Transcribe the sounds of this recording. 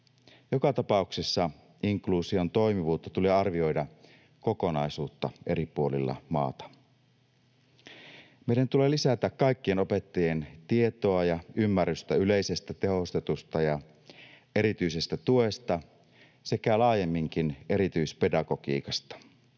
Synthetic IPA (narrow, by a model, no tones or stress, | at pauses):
jo̞kɑt̪ɑpɑuksesːɑ | iŋkluːsio̞nt̪o̞jmiʋuːt̪ːɑt̪uleːɑrʋio̞jdɑ | ko̞ko̞nɑisuːt̪ːɑ̰e̞̰ɾipuolḭlːɑ̰mɑ̰ːt̪ɑ̥ | mejdænt̪ule̞ːlisæt̪ækːɑjkːieno̞pe̞t̪ːɑje̞nt̪ie̞t̪oɑjɑymːærːyst̪æyle̞ise̞st̪æt̪e̞ɦo̞st̪e̞t̪ust̪ɑjɑ | e̞ɾit̪yise̞st̪æt̪uest̪ɑ | se̞kælɑːje̞mːiŋk̟ine̞ɾit̪yispe̞dɑɡo̞kḭːkɑst̪ɑ̥